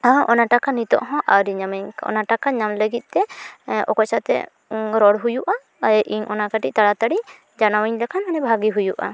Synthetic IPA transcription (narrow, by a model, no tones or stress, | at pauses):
aʔɔnaʈakanit̪ɔ̰ʔɦɔ̃ʔaɾiɲamɛɲɔ̰naʈakaɲamləɡit̪̚ˀt̪ɛɔ̰kɔsat̪ɛ̰ | ɾɔɽɦujuʔa | ʔiɲʔɔnakaʈḭʔ̚t̪aɽat̪aɽi | d͡ʒanawiɲlakʰanmanɛbʱaɡiɦujuʔa̰